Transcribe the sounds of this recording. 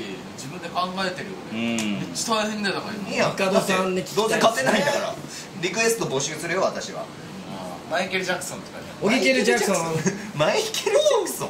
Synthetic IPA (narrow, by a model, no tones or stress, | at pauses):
d͡ʑibɯ̟̃nd̪e̞kãŋɡaet̪e̞ɾɯ̟jo̰nẽmet͡ɕːḁt̪aβajasemʲinait̪omaiijakad̪osãnːikʲi̥d̪onzekat̪ːenaĩnd̪akɾa̰ | ɾʲikɯ̟e̞sɨ̥t̪obo̞ɕɯːsɨɾɯ̟joβat̪aɕiβa̰ | a | maikeɾɯd͡ʑakːɯ̥sõnt̪o̥ka̰ | oɡʲikeɾɯd͡ʑaksõmaikeɾaksõ